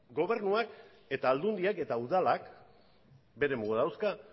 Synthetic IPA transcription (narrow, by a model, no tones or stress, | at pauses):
ɡo̞β̞e̞ɾnuak | e̞t̪aːld̪und̪iake̞t̪auðalak | be̞ɾe̞muɣuðawska